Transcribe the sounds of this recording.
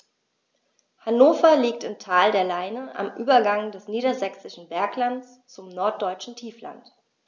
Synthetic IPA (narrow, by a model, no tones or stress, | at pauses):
hanoːfɐliːk̚tɪmtʰaːldeːɐlaɪnəʔa̰mʔyːbɐɡaŋdɛsniːɾɐzɛksɪʃn̩bɛɐklant͡s | t͡sʊmnɔɐt̚d̥ɔʏt͡ʃn̩tʰiːfla̰nt